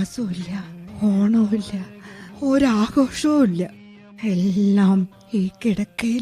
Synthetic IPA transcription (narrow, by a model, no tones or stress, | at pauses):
soilːɐoːɳoilːɐoɾaːɡoːʂɐmilːɐ | elːaːm | iːkːiɽɐkːe